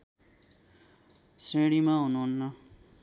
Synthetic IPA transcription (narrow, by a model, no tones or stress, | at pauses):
sẽːɽimãunoːnːa